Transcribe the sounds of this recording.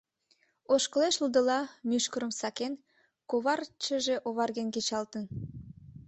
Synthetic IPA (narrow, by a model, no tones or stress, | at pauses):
oʃkə̆leʃəld̪ə̆lɑmyʃkəɾə̆msɑken | koβɑrt͡ɕəʒeʔoβɑrɣenket͡ɕɑlt̪ən